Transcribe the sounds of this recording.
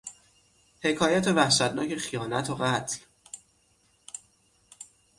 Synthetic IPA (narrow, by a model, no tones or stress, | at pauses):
he̞kʰɒːjæt̪ʰevæhʃæt̪nɒːcʰe̞xijɒːnæt̪ʰoɢæt̪ʰl